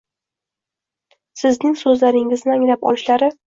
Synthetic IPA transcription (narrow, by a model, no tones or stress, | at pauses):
sɪznɪŋsɵzlaɾɪŋɪznɪaŋlapɒ̰lʃlaɾɪ